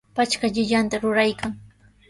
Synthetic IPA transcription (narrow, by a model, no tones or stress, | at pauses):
pat͡ʃkaʎɪʎant̪aɾʊɾajkaŋ